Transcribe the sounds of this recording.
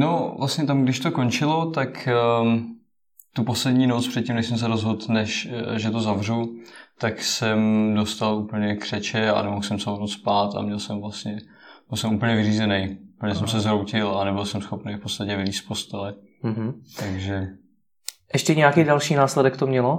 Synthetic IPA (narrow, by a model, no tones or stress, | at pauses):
novlast̪ɲɛt̪amɡdɪʃt̪oko̞nt͡ʃɪlot̪ak | t̪uposlɛdɲiːnot͡spr̥ɛt̪̚cimnɛʃsɛms̬ɛɾozɦot̪nɛʃʒɛt̪ozavr̝ut̪aksɛmdo̞st̪aluːpl̩ɲɛkr̥ɛt͡ʃɛa̰nɛmoxsɛmsamonot͡spaːt̪a̰mɲɛlsɛmvlast̪ɲɛ | bɪlsɛmuːp̬l̩ɲɛvɪriːzɛnɛjupl̩ɲɛs̬ɛmsɛzɾowcɪlanɛbɪlsɛmsxo̞pnejfpo̞t͡st̪acɛvɪviːst̪f̚po̞st̪ɛlɛ | ɦ̩t̪aɡʒɛ | ʔɛʃcɛɲɛjakiːdalʃiːnaːslɛdɛkt̪omɲɛlo